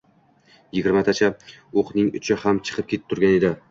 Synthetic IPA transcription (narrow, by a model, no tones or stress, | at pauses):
jɪɡʲɪɾmat̪ʰat͡ʃʰaoqnɪŋʊ̰t͡ʃʰɪhamt͡ʃʰɨ̥qʰɨp̚kʲʰeɪ̥p̚t̪ʰʊɾɡʲane̞d̪ɪ